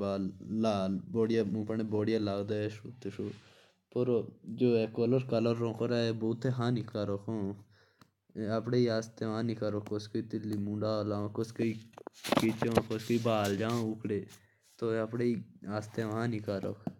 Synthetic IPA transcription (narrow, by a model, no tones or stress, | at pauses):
baːlːaːlboːɽɪjaːũːpəɳeboːɽɪjaːlaːɡd̪aːeʃuːt̪eʃoː | poɾd͡ʒoːɛːkoːləɾkələɾːõːkoɾaboːt̪ʰːeɦãːniːkaːɾoːkʰõː | apɽeːiaːst̪eʋãːnikaɾoːkːoskəiːt̪ɪlːiːmũːɳɖaːlaːõkoskəiːkit͡ʃõkoskəiːbaːld͡ʒãːʊkɽeː | t̪oːapɽeːiːaːst̪eʋãːnikaːɾo̰ːk